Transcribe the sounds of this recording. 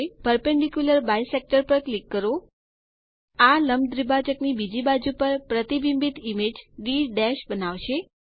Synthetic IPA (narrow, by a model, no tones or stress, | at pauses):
pəɾpɛɳɖikjuləɾbajsek̚ʈəɾpəɾklikːəɾo | aləmd̪ɾibad͡ʒəknibid͡ʒibad͡ʒupəɾpɾət̪ibimbit̪imed͡ʒɖiɖɛʃbənaʋʃe